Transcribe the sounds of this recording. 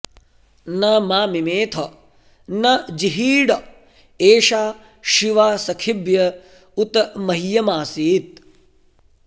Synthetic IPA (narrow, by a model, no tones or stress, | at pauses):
nɐmaːmimeːt̪ʰɐ | nɐd͡ʒiɦiːɽɐ | eːʃaː | ʃiʋaːsɐkʰibjɐ | ut̪mɐɦijɐmaːsiːt̪̚